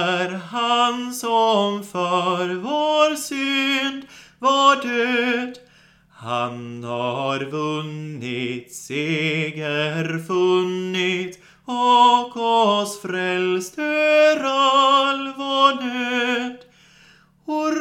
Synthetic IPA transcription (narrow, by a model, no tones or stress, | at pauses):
ɾhansɔmfœɾvoɾsynd̪vɑɖøːd̪ | ha̰nhɑɾvɵnːɪt̪seːɡəɾfɵnːɪt̪ | ɔkɔsfɾɛlst̪əɾɔlvɔɖøːd̪̥ | ɔɾ